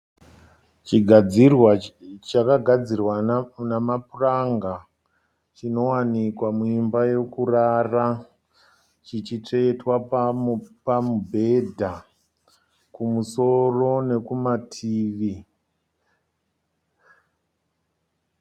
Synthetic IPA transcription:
t͡ʃiɡʱad͡zirwat͡ʃakaɡʱad͡zirwanamapuraŋɡa | t͡ʃino̞wanikwamuimbaje̞kurara | t͡ʃit͡ʃit͡ʂetwa | pamubʱe̞dʱa | kumuso̞ro̞ne̞kumatʰiːʋi

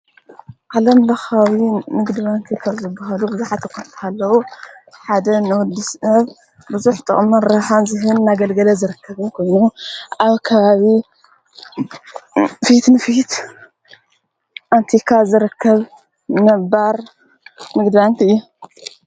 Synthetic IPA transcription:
ʔalɐmlɐxawimɨɡd̪ɨβant̪ʰikʰaβzɨbːaɦalubɨzuħat̪ɨkʰːɐt̪t̪ʰalːɐwu | ħad̪ɐnɨwʊd̪ɨsnɐβ | bɨzuħt̪ʼɐ̰χʼmɐɾɾɐħanzɨɦɨnːaɡɐlɡɐlɐzɨɾɨkʰːɐβɨnkʰojnuʔaβkʰɐβaβi | fit̪nɨfit̪ | ʔant̪ʰikʰazɨɾɨkʰːɐβ | nɐbaɾ | mɨɡd̪ɨβant̪ʰiɨjːu

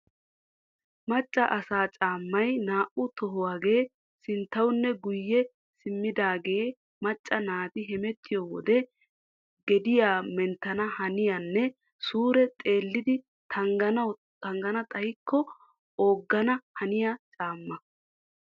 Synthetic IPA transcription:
mɐt͡ʃʼːɐʔɐsaːt͡ʃʼaːmːɐjnaːʔʊt̪ɔɦʊwaːɡe̞ː | sɪnt̪ːɐwʊnːɛɡʊjːɛ | sɪmːɪd̪aːɡe̞ː | mɐt͡ʃʼːɐnaːt̪ɪɦɛmɛt̪ʰːɪjoːwɔ̰d̪ɛ | ɡɛd̪ɪjaːmɛnt̪ːɐnɐhɐnɪjɐnːɛ | suːɾɛt̪ʼe̞ːlːɪd̪ɪ | t̪ʰɐŋɡɐnɐ | tɐŋɡɐnɐt̪ʼɐjkʰːɔ | oːɡːɐnɐhɐnɪjat͡ʃʼaːmːɐ

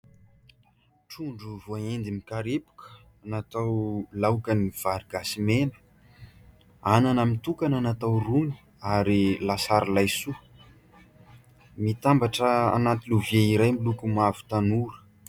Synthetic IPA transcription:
ʈ͡ʂuɳɖ͡ʐuvoaend̪imikaɾepu̥kə̥ | anat̪awlawkəniv̥aɾiɡasimenə̥ | ananəmit̪ukananat̪awrumi̥ | aɾilasaɾilajsu | mit̪ambaʈ͡ʂəa̰nat̪iluvjeiɾajmilukumavu̥t̪anuɾə̥

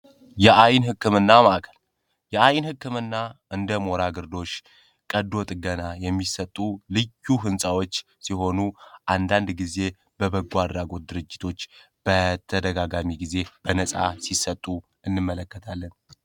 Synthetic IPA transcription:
jɛʔajnhɨkːɨmɨnːamaʔkʰə̥l | jɛajnhɨkːɨmɨnːaɨnd̪əmo̞ɾaɡɨɾd̪o̞ʃ | kʼəd̪o̞t̪ʼɡənajɛmːisət̪ʼːulɨjːuɦɨnsʼawot͡ʃː | siɦo̞nuʔand̪and̪ɡize̞ | bəbəɡwad̪ɾaɡo̞t̪̚d̪ɨɾɨd͡ʒːɪt̪ʰo̞t͡ʃː | b̥ət̪ʰːəd̪əɡaɡamiɡize̞b̥ənəsʼa̰sisət̪ʼu | ɨnːɨmːələkːət̪ʰalːən

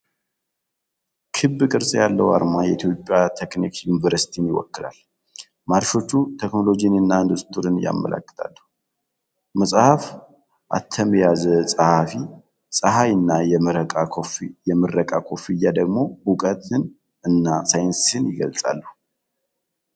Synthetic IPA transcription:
kʰɨbːɨkʼɨɾsʼjalːəwa̰ɾmajɛit̪ʰjo̞pʼjat̪ʰeknikjunivəɾsi̥t̪ʰinjɪwɔ̰kːɨla̰l | maɾʃo̞t͡ʃːut̪ʰekno̞lo̞d͡ʒinɨnːaɨnd̪ust̪ʰɨɾɨnja̰mːə̰lʔə̰kːɨ̥t̪ʰa̰lːəh | məsʼhaf | ʔa̰t̪ʰːəməjazəsʼəhafi | sʼəɦajɨnːajɛmɨɾəkʼakʰofijɛmɨrːəkʼakʰo̞fijːad̪əɡmo̞bukʼət̪ɨn | ɨnːasajɪnsɨnjɪɡə̰lt͡sʼa̰lːəh

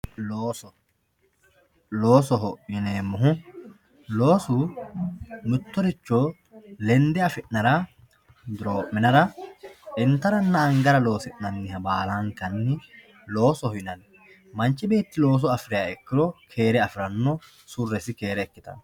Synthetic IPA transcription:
loːsɔ | lo̞ːsɔɦɔʔɪneːmːʊɦʊ | lo̞ːsu | mʊt̪ːɔɾɪt͡ʃːoː | lɛnd̪ɛɐfɪʔnɐɾa | d̪ɪɾoːʔmːɪnɐɾɐʔɪnt̪ɐɾɐnːɐːŋɡɐɾɐlo̞ːsɪʔnɐnːɪhɐbaːlaːŋkɐnːɪ | lo̞ːsɔhɪnɐn | mɐnt͡ʃʼːɪbe̞ːt̪ːɪlo̞ːs̬ɔɐfɾɪjaɛkːɪɾɔkʰe̞ːɾɛɐfɪɾɐnːɔ | sʊrːɛsɪke̞ːɾɛːkːɪt̪ɐ̰n

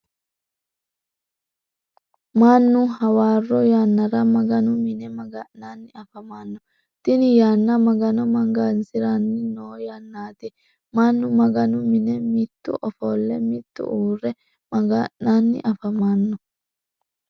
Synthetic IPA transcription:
maːnːʊhɐwaːrːɔjaːnːɐɾɐmɐɡɐnʊmɪnɛmɐɡɐnːaːnːɪɐfɐmaːnːɔ | t̪ɪnɪjaːnːɐmɐɡɐnɔmɐŋɡansɪɾanːɪnoːjaːnːaːt̪ɛ | maːnːʊmɐɡɐnʊmɪnɛmɪt̪ːʊ̰ʔɔfɔːlːɛmɪt̪ːʊ̰ʔuːrːɛ | mɐɡɐnːaːnːɪ̰ʔɐfɐmaːnːɔ

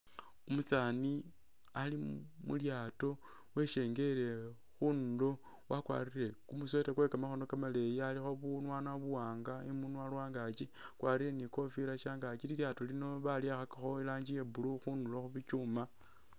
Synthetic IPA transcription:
umut͡sani | alimṵljaːto̞ | we̞ʃe̞ːŋɡe̞ɾe̞ | xunlo | wʔakwa̰ːrire̞kumusetekwekamaxo̞no̞kamale̞jialixo̞βunwanaβuwaːŋɡaimunwalwaːŋɡat͡ʃikwaːɾiɾe̞niko̞fiɾaʃaːŋɡat͡ʃililjaːto̞lino̞βaljaxakaxo̞ilaːɲd͡ʒije̞buluxunduloxuβit͡ʃuma

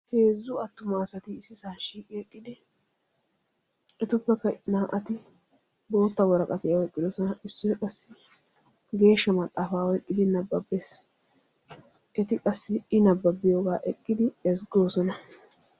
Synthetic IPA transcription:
he̞ːzːʊɐt̪ːʊmaːsɐt̪ɪːsːɪsaːʃiːkʼɪɛkʼːɪd̪ɪ | ɛt̪ʊpːɛkːɐnaːʔɐt̪ɪ | bo̞ːt̪ːɐwɔɾɐkʼɐt̪ɪjɐwɔkʼːɪd̪ɔsɔnɐʔɪsːɔkʼɐsːɪ | ɡe̞ːʃːɐmɐt̪ʼːaːfaːwɔjkʼːɪd̪ɪnɐbːɐbːeːs | ʔɛt̪ɪkʼɐsːɪɪnɐbːɐbːɪjoːɡaːʔɛkʼːɪd̪ɪɛsɡo̞ːsɔnɐ

